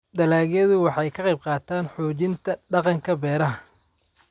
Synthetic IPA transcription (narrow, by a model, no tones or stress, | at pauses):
d̪ɐlaːɣjɐðʊwɑħɑjkʰɐqɑjb̚qɑːt̪ʰaːnħɔːt͡ʃɪnt̪ʰɐɖɑqɑŋkʰɐbɛːɾɐɦɐ